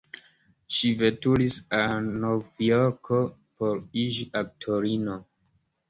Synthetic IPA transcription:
ʃivetulisanovijoɾkʰopoɾid͡ʒiʔak̚tʰoɾino

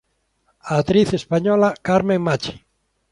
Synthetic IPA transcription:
aːt̪ɾiθespaɲɔlakaɾmẽŋmat͡ʃe̥

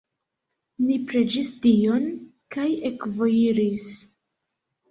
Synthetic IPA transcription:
nipɾe̞d͡ʒistio̞nkaje̞kvo̞jiɾis

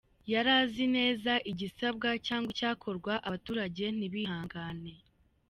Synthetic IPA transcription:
jaɾaːzine̞ːzaʔiɟisab̚ɡacaːŋɡwicaːkʰo̞ɾɡwaʔaβatuːɾaɟe̞n̥iβiɦaːŋɡaːne̞

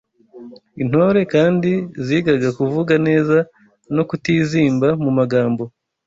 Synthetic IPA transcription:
in̥ho̞ɾe̞kaːndiziːɡaɡakuvuɡane̞ːza | no̞kutiːziːmbamumaɡaːmbo̞

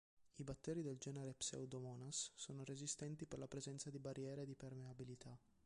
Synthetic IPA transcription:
ibat̪ːɛːɾid̪eld͡ʒɛːneɾepsḛwd̪omɔːnasːoːnoɾezist̪ɛnt̪iperlapɾezɛnt̪sad̪ibarjɛːɾed̪ipermeabilit̪ʰa

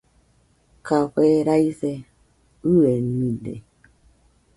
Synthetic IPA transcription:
kaɸeɾaise | ɯenĩdḛ

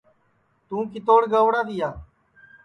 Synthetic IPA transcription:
t̪ũːkɪt̪oːɽɡəʋɽaːt̪iːaː

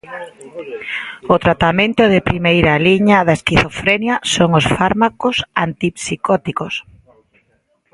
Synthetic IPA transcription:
ʊt̪ɾat̪amẽnt̪ʊðɪpɾimejɾɐliɲɐðɐeskiθofɾenjɐsoŋosfaɾmakʊsant̪ipsikɔt̪ikos

